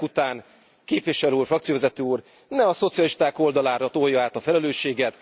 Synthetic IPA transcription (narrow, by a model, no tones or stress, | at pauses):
ut̪aːn | keːpʋiʃɛløuːrfrɒkt̪sijovɛzɛt̪øːuːr | nɛɒso̞t̪sijɒliʃt̪aːko̞ld̪ɒlaːɾɒt̪ojɒaːt̪ɒfɛlɛløːʃːeːɡɛt̪